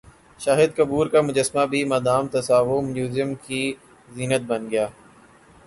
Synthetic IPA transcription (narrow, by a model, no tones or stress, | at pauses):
ʃaːɦɪd̪̚kəbuːɾkaːmʊd͡ʒəsmabʱiːmad̪aːmt̪əsaːʋomuːzɪjəmkʰiː | ziːnət̪̚bənɡɪjaː